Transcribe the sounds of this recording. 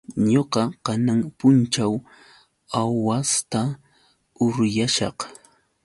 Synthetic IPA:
ɲoqɑkanaŋpʊnt͡ʃaw | awwast̪a | ʊɾjaʃɑ̰q

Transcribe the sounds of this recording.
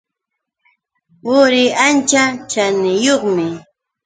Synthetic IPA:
pʊɾɪant͡ʃat͡ʃanɪjoχmɪ

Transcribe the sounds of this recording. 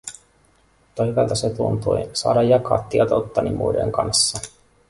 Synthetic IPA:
t̪ojkɑlt̪ɑset̪unt̪ṵjsɑ̰ːdɑjːɑkɑ̰ːt̪ːiɛt̪ot̪ːɑnimʔṵidḛŋkɑnsːɑ

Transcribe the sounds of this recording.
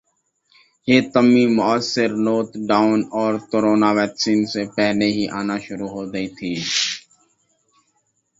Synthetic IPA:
jeːt̪əmːimʊəsːɪɾnoːt̪ɖaːʊnɔːɾkoɾoːnaːʋɛːksiːnsepɛɦleɦiʔaːnaʃʊɾuɦoːdəit̪ʰiː

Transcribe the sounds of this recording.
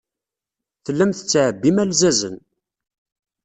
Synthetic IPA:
θəlːæmθət͡sːʕəbːimælzæzə̰n

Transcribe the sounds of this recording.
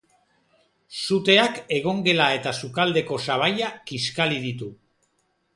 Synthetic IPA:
sut̪e̞ake̞ɣ̞o̞ŋɡe̞lae̞t̪asukald̪e̞ko̞saβ̞ajakiskaliðit̪u

